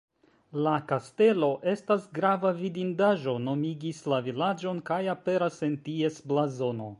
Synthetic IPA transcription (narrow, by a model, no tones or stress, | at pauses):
lakaste̞lo̞ʔe̞stasɡɾavavidindaʒo̞no̞miɡislavilad͡ʒo̞nkajape̞ɾase̞ntie̞sblazo̞no̞